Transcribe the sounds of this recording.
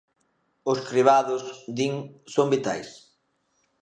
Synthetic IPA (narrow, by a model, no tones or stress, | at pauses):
ʊskɾiβ̞aðʊsd̪iŋsombit̪a̰js